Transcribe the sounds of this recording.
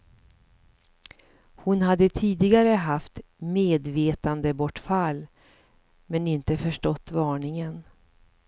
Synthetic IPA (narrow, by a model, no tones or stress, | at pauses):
hʊnhad̪ːət̪ʰiːd̪ɪɡaɾəɦaft̪meːd̪veːt̪and̪əbɔʈːfalː | mɛnɪnt̪əfœʂʈɔt̪ːvɑːɳɪŋən